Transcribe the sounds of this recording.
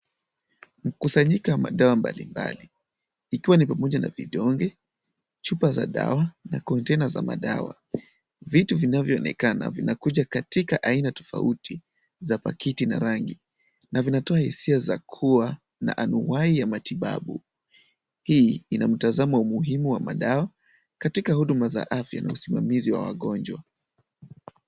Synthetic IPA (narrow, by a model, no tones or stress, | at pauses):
m̩kusaɲikawama̰ɗawamba̰lḭmba̰li | ikiwanipamɔʄana̰viɗɔŋɡɛ | t͡ʃupaza̰ɗa̰wanakɔntɛnaza̰ma̰ɗa̰wa̰ | vituvinavjɔɔnɛ̰kana̰vinakuʄakatikaʔainatɔ̥fa̰utʰi | zapakitinaɾaŋɡi | navinatɔahisiazakʰuwa | na̰ʔanuwaijamatiɓa̰ɓṵ | hiinam̩tazamaumuɦimuwamaɗawa | katikahuɗumaza̰ʔafja̰na̰usimamiziwa̰wa̰ɠɔnd͡ʒwa̰